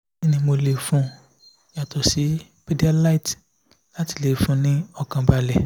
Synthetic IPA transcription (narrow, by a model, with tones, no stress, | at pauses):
i˧˦nĩ˧mo˧le˨fũ˧˦ | ja˨tɔ˨si˨˦ | pe˦di˦a˧la˦i˨t | la˦ti̥˧˨le˨fũ˦nĩ˦ɔ˧kã˧ba˧lɛ˨